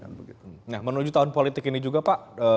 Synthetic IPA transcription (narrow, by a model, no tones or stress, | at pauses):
bəit̪nahmənud͡ʒut̪aɦʊnpolit̪ɪkinid͡ʒuɡapaʔə